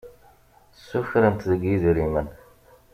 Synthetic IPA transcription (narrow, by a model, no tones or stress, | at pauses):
sːufɾənt̪ðəɡjizɾimən